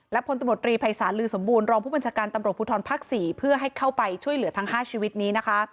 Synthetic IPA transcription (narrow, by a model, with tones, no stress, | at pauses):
lɛ˦˥pʰo˨˦na˧mɾu˨˩t̪ɾiː˧pʰa˧jsaː˩˦nlɯː˧so˩˦mbuː˧nɾɔː˧ŋpʰuː˥˩ba˧nt͡ɕʰaː˧kaː˧nt̪a˧mɾu˨˩puː˧t̪ʰɔː˧npʰaː˦˥k̚siː˩˦pʰɯ˥˩ɐɦa˥˩jkʰa˥˩wpa˧jt͡ɕʰu˥˩əjlɯ˩˦ɐt̪ʰa˦˥ŋɦaː˥˩t͡ɕʰiː˧wi˦˥t̪̚niː˦˥na˦˥kʰa˦˥